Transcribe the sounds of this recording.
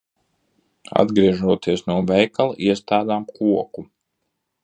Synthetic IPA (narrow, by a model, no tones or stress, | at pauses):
a̰d̪ɡɾiɛʒuɔt̪iɛsnuɔvɛjkalˠiɛst̪aːd̪aːmkʰuɔku